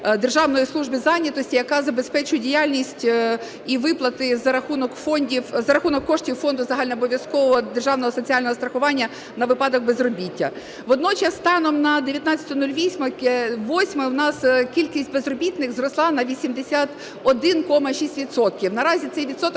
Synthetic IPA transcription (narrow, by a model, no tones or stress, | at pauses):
d̪erʒɑʋnɔjislˠuʒbɨzɑnʲɐt̪ɔsʲtʲijɐkɑzɐbespɛt͡ʃʊjedʲijalʲnʲisʲtʲ | iʋɪplˠɐt̪ɪzɐɾɐxunɔkfɔnʲdʲiwzɐɾɐxunɔkːɔʂtʲiwfɔnd̪ʊzɐɦɑlʲnɛɔbɔʋʲjɐskɔʋɔɦɔd̪erʒɑwnɔɦɔsɔt͡sʲiɑlʲnɔɦɔst̪ɾɐxʊʋɑnʲːɐ | nɐʋɪpɑd̪ɔɡbezrɔbʲitʲːɐ̰ | ʋɔd̪nɔt͡ʃɛsːt̪ɑnɔmnɐd̪eʋʲjɐt̪nɑt͡sʲɐt̪ʊnulʲʋʲisʲmɐʋɔsʲmɪwnɑskʲilʲkʲisʲtʲbezrɔbʲit̪nɪxzrɔslˠɑnɐʋʲisʲimd̪esʲat̪ | ɔd̪ɪnkɔmɐʃʲisʲtʲʋʲit̪sɔt̪̚kʲiwnɐɾɑzʲit̪sɛjʋʲit̪sɔt̪ɔk